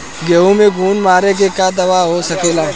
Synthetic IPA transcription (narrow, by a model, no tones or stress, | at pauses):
ɡeːũmẽɡʱuːnmaːɾek̬ekad̪ɐʋaɦosɐkeːlaː